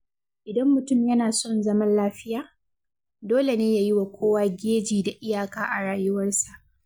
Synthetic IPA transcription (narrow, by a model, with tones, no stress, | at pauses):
ʔɪ˨dɐ˦mːʊ˨tʊ˦mjɐ˦naː˨sɔ˦˨nzɐ˦mɐ˦nlaː˦ɸɪ˦jaː˨ | doː˦le˨neː˦jaː˨jɪ˦wa˨kʷʰoː˦waː˦ɡʲeː˦d͡ʒiː˨da˨ʔɪ˦jaː˨kaː˦ʔa˨ɽaː˨jʊ˦wɐ˦rsa˨ʔ